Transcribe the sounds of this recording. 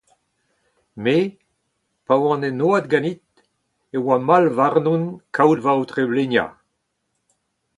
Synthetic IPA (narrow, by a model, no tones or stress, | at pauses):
me | pawɑ̃nenoad̪̚ɡãnit̪̚ | ewamalvaʁnunkʰawdvawt̪ʁeblenja̰